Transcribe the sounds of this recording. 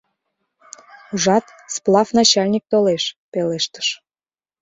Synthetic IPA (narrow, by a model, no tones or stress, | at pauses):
uʒɑt̪ | splˠɑfnɑt͡ɕɑlʲnʲik̚t̪oleʃpeleʃt̪ə̥ʃ